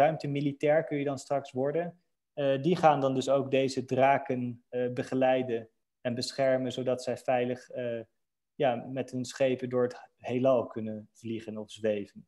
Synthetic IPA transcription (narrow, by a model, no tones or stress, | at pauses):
œɥmtəmilitɛːɹkɵjjədɑnstrɑksʋɔɹdən | diχaːndɑndɵsowk̚dejzədraːkənbəχəlɛjdən | ɛnbəsχɛɹmənzowdɑtsɛjfɛjləχ | jaːmɛtɦɵnsχejpəndʊːɹəthejlɑlˠkɵnənv̥liχənɔfzʋejvən